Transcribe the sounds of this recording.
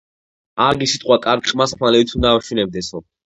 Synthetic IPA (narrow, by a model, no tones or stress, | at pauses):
aɡisit̪ʼqʼwakʼaɾɡqʼmasχmalɛbit̪ʰund̪avaʃinɛb̚d̪ɛsɔ